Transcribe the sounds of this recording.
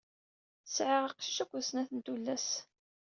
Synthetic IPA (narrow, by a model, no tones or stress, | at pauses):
sʕiʁɑqʃi̥ʃækʷːsnæθənt̪ulːæs